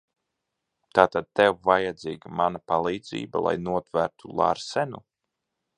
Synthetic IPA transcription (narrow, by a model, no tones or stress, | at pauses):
t̪aːt̪ad̪̚t̪ɛwvajad̪ziːɡamanapalˠiːd̪zḭːbalˠa̰jnuɔt̪væɾt̪ulˠa̰ɾsɛnu